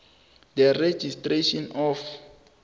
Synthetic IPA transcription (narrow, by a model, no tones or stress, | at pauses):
d̪ɛred͡ʒistreʃɔnɔf